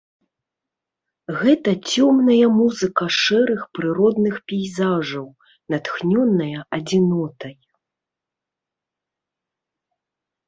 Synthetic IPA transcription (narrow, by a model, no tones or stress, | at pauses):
ɣɛt̪ɐt͡sʲɔmnɐjɐmuzɨkɐʂɛɾɨxpɾɨɾɔd̪nɨxpʲɛjzaʐɐw | nɐt̪xnʲɔnːɐjɐʔɐd͡zʲinɔt̪ɐj